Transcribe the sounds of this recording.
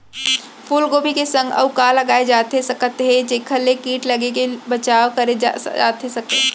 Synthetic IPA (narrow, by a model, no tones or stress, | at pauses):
pʰuːlɡoːbʱikesə̃ŋɡə̰ʊkaːlːɐɡaːed͡ʒaːt̪esɐkət̪ɦɛd͡ʒekʰəlekiːʈlɐɡekebɐt͡ʃaːwkɐɾea̰ːt̪esɐke